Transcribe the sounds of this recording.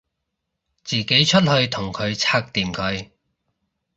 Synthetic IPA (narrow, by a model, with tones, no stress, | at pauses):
t͡siː˨˩ke˨˥jt͡ʃʰɵ˥t̚hɵ˧ɥt̪ʰʊ˨˩ŋkʰɵ˨˧ɥt͡sʰaː˧k̚t̪iː˨mkʰɵ˨˧ɥ